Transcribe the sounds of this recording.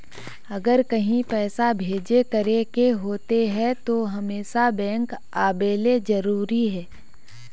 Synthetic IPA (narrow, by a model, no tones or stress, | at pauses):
ɐɡəɾkɐɦĩpɛːsabʱeːd͡ʒekəɾekeɦoːt̪eɦɛ̃t̪oɦɐmeːʃabɛ̃ːŋk | aːbeːlezɐɾuːɾiɦɛː